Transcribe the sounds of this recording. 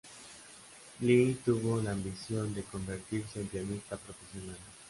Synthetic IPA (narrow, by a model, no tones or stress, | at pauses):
lit̪uβolaːmbisjond̪ekombeɾt̪iɾseempiamist̪apɾofesjonal